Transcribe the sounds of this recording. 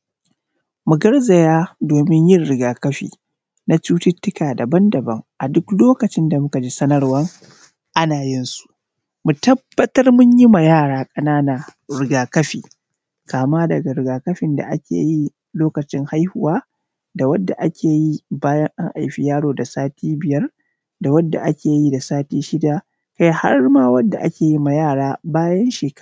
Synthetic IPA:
mu˨ɡɐ˦rza˨jaː˦doː˨mɪ˦ɲjɪ˦nɽɪ˨ɡaː˨kɐ˦ɸḭː˨ | na˦t͡ʃuː˦tɪ˦tːɪ˦kaː˨da˨bɐ˦ndɐ˨bɐ˦ŋʔa˨dʊ˦kloː˦kɐ˨t͡ʃɪ˦nda˨mʊ˦ka˨d͡ʒi˦sɐ˦nɐ˦rwɐ˦ŋ | ʔa˦naː˨jɪ˦nsu̥˨ʔ | mu˨tɐ˦b̥ːɐ˦tɐ˦rmʊ˦ɲji˦ma˨jaː˦˨ɽaː˦kʼɐ˨naː˦na˨ | ɾɪ˨ɡaː˨kɐ˦ɸḭː˨ | kaː˨maː˦dɐ˨ɡa˨ɾɪ˨ɡaː˨kɐ˦ɸɪ˨nda̰˨ʔa˦kʲḛː˨ji˦ | loː˦kɐ˨t͡ʃɪ˦ŋha˦jhʊ˨waː˦ | da˨wɐ˦dːa˨ʔa˦kʲʰeː˨ji˦baː˦jɐ˦ŋʔa˦ŋʔa˨jɸi˦jaː˦ɽoː˨da˨saː˦tʰiː˦bɪ˨jɐ˦r | da˨wɐ˦dːa̰˨ʔa˦kʲeː˨ji˦da˨saː˦tiː˦ʃɪ˦da˨ | ka˦jha̰˦rmaː˦wɐ˦dːa˨ʔa̰˦kʲeː˨ji˦ma˨jaː˦˨ɽaː˦baː˦jɐ˦nʃeː˨k

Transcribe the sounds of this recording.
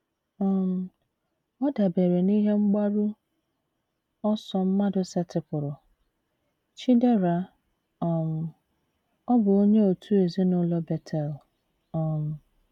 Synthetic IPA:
ɔ˨m̩˨ | ɔ˦da˨be˨ɾe˨ni˦ɦe˦ŋ͡m̩˦ɡ͡ba˦ɾu˦ | ɔ˦sɔ˨m̩˦ma˦dʊ˨sa˨tɪ˨pʊ˨ɾʊ˨ | t͡ʃi˦de˦ɾa˨ | ɔ˨m̩˨ | ɔ˦bʊ˨o˦ɲe˦o˨tʰu˦e˨zi˦nʊ˦lɔ˦bɛ˨tʰɛ˨l | ɔ˨m̩˨

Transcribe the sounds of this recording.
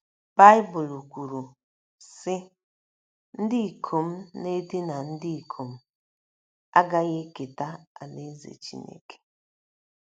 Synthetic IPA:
b̥a˦ɪ˦bʊ˨lu˨kʷu˨ɾu˨ | sɪ˦ | n̩˦dɪ˦i˨kʰo˨m̩˦ne˦di˦na˨n̩˦dɪ˦i˨kʰo˨m̩˦ | a̰˦ɡa˦ɣe˦ke˨ta˦a̰˨ne˦zḛ˨t͡ʃḭ˦nḛ˦ke̥˨

